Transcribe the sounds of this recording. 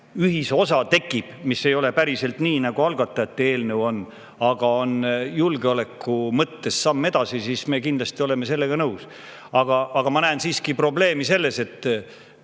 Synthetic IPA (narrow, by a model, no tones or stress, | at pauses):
yɦiso̞sɑt̪e̞kˑːib̥misːe̞jo̞le̞pæɾise̞lt̪niːnɑɡ̥uɑlɡ̥ɑt̪ˑːɑjɑt̪ːˑeeːlnəwo̞n | ɑɡ̥ɑo̞njulɡeole̞kːumɤt̪ːe̞sːɑmːe̞d̪̥ɑsisiːsme̞ːkind̥̪lɑst̪io̞le̞me̞se̞lːe̞ɡ̥ɑnɤws | ɑɡ̥ɑʔɑɡ̥ɑmɑnæːnsiːskipro̞ble̞ːmise̞lːe̞se̞t̪ːˑ